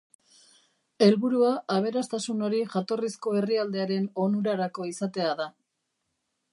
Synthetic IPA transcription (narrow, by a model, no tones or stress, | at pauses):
e̞lβuɾuaʔːβ̞e̞ɾast̪asuno̞ɾiʝat̪o̞risko̞e̞riald̪e̞aɾe̞no̞nuɾaɾako̞isat̪e̞aða